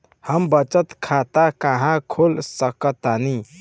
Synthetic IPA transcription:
həmbət͡ʃət̪kʰat̪akaɦãkʰolsəkət̪ani

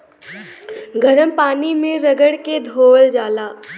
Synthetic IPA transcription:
ɡʱɐɾəmpaːnimẽɾɐɡəɽked̪ʱoːld͡ʒaːlaː

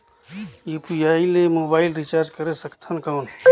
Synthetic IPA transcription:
jipujaːileːmoːbaːɪlɾit͡ʃaːɾd͡ʒkəɾesəkt̪ʰənkaːn

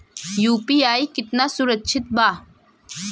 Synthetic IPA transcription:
juːpiːaːikɪt̪nasʊɾətːt͡ʃʰɪt̪̚baː

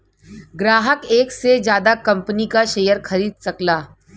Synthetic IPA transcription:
ɡɾaːɦəkeːksed͡ʒjaːd̪akɐ̃mpənikaʃeːjəɾxɐɾiːd̪̚sɐklaː

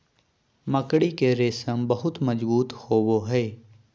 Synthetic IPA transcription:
məkɽikeɾeːsəmbəɦʊt̪mɐd͡ʒbuːt̪hoːʋoɦɛː

